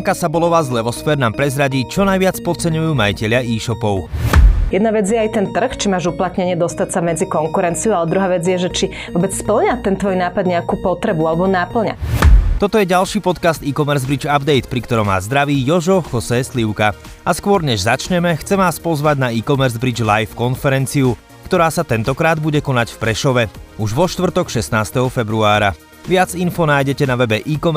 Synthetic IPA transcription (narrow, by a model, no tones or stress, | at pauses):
ŋkasabɔlɔʋaːzlɛʋɔsfɛːɾnaːmpɾɛzɾaɟiːt͡ʃɔnajʋɪat͡spɔt̪̚t͡sɛɲujuːmajicɛʎɪaʔiːʃɔpɔʊjɛd̪naʋɛd͡zjɛajt̪ɛnt̪r̩xt͡ʃimaːʒuplat̪ɲɛɲɪɛd̪ɔst̪acsamɛd͡zikɔŋkuɾɛnt͡siualɛd̪ɾuɦaːʋɛd͡zjɛʒɛt͡ʃi | vʋɔbɛt͡sspl̩ɲat̪ɛnt̪ʋɔjnaːpad̪ɲɛakupɔt̪ɾɛbualɛbɔnapl̩ɲa̰t̪ɔt̪ɔjɛɟalʃiːpɔt̪kast̪iːkɔmɛɾzbɾid͡ʒabd̪ɛjt̪pɾikt̪ɔɾɔmʋa̰ːzd̪ɾaʋiːjɔʒɔxɔsɛːsliʊka | ʔaskʊɔɾɲɛʒzat͡ʃɲɛmɛxt͡sɛmʋaːspɔzʋaɟnaiːkɔmɛɾzbɾid͡ʒlajfkɔnfɛɾɛnt͡siu | kt̪ɔɾaːsat̪ɛnt̪ɔkɾaːd̪buɟɛkɔnacfpɾɛʃɔʋɛuʒʋɔʃt̪ʋr̩t̪ɔkʃɛst̪naːst̪ɛɦɔfɛbɾuaːɾa̰ | ʋɪad͡zinfɔnaːjɟɛcɛnaʋɛbɛʔiːkɔm